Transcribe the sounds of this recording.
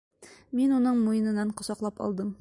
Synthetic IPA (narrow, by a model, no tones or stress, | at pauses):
minunɤɴmujɤ̆nɤ̆nɑɴqŏsɑqlˠɑpɒ̰lˠd̪ɤm